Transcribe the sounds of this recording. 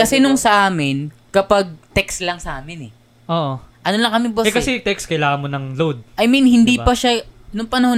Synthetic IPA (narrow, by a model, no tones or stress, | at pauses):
kɐsɛnoŋsɐʔaːmɪnkɐpaɡ̚t̪ɛkslɐŋsɐʔaːmɪnɛ | ʔoːʔoʔɐnolɐŋkɐmɪboʔɛkɐsɛt̪ɛkskɐjlaːŋɐnmonɐŋlowd̪̚ʔɐjminhɪnd̪ipɐʃanʊŋpɐnɐho